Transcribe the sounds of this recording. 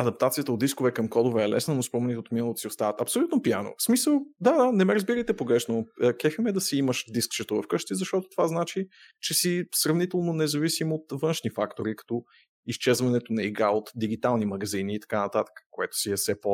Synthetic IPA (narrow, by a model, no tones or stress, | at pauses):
ɐd̪ɐp̚t̪at̪sijət̪əod̪iskovɛkɐmkɔd̪ovɛɛlɛ̰snənospɔmɛnit̪ɛot̪minəlˠot̪o̥siost̪avət̪ɐpsolʲut̪nopijano̰smisəlˠd̪ad̪anɛmɛɾəzbiɾəjt̪ɛpoɡɾɛʃnokɛfimɛd̪ɐsiiməʃd̪iskt͡ʃɛt̪ovɐfkɤʃt̪izɐʃt̪ɔt̪o̥t̪ovaznat͡ʃi | t͡ʃɛsisɾɐvnit̪ɛlˠnonɛzɐvisimot̪vɤnʃnifakt̪oɾikɐ̥t̪ɔ | ist͡ʃɛzvɐnɛt̪onɐiɡɾaot̪d̪iɡ̟it̪alˠnimɐɡɐziniːt̪ɐ̥kanɐt̪at̪ə̥kə̥koɛt̪ʊ̥siɛsɛpo